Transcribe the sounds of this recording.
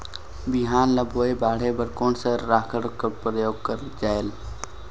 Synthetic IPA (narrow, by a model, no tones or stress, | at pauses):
bɪɦaːnləboːebaːɽ̤ebəɾkoːnsəɾːaːkʰəɽkəpɾəjoːɡ̚kəɾ | d͡ʒaːel